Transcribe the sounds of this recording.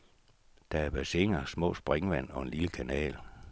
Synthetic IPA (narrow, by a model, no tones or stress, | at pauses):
d̥ɑ̈æɐb̥æse̝ŋɐsmɔ̰̽ːsb̥ʁeŋʋæn̰ɒ̽e̝nliləkʰænɛ̰ːl